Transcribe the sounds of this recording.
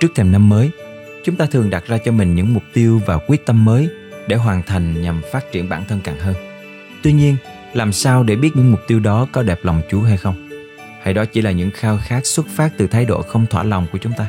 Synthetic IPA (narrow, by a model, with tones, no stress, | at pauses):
t͡ɕɨ˦˥ət̪ʰe˧˩na˧mːəː˨˦j | t͡ɕʊ˨˦ŋ͡mt̪aː˧t̪ʰɨ˨˩əŋɗa˨˩t̚zaː˧t͡ɕɔ˧mï˨˩ŋ̟ɲɨ̰˧˥ŋmʊ˨˩k͡p̚t̪i˧əwvaː˨˩wkwi˦˥ət̚t̪ə˧mːəː˨˦j | ɗe˧˩ɦwaː˨˩nt̪ʰa˨˩jŋ̟ɲa˨˩mfaː˦˥t̚t͡ɕi˧˩ənɓa̰ː˧˩nt̪ʰə˧nkaː˨˩ŋɦəː˧n | t̪wi˧ɲi˧ən | laː˨˩msaː˧wɗe˧˩ɓi˦˥ət̚ɲɨ̰˧˥ŋmʊ˨˩k͡p̚t̪i˧wɗɔ˨˦kɔ˨˦ɗɛ˨˩p̚la˨˩wŋ͡mt͡ɕu˨˦ɦa˧jxə˧wŋ͡m | ha˧jɗɔ˨˦t͡ɕḭ˧˩laː˨˩ɲɨ̰˧˥ŋxaː˧wxaː˦˥k̚swə˦˥t̚faː˦˥t̚t̪ɨ˨˩t̪ʰaː˨˦jɗo̰˧˨xə˧wŋ͡mt̪ʰwa̰ː˧˩la˨˩wŋ͡mku˧˩ət͡ɕʊ˨˦ŋ͡mt̪aː˧